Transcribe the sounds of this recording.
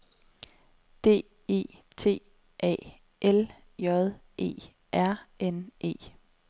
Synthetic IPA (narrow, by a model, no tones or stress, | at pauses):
d̥e̝̰ː | e̝̰ːt͡sʰe̝̰ː | ʔɛ̰ː | ʔel | jɒðˠʔe̝̰ː | ʔæɐ̰enʔe̝̰ː